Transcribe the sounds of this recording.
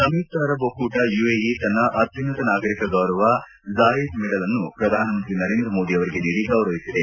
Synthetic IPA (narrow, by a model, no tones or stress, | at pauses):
sɐmiːt̪aːɾɐbokuːʈɐjueːjit̪ɐnːɐʔɐt̪jɐnɐt̪ɐnaːɡɐɾikɐɡɐwɾɐʋɐ | zaːjid̪mɛɽɐlɐnːupɾɐd̪ʱaːnɐmɐnt̪ɾinɐɾeːnd̪ɾɐmo̞ːd̪iɐʋɐɾiɡeniːɾiɡɐwɾɐʋisid̪e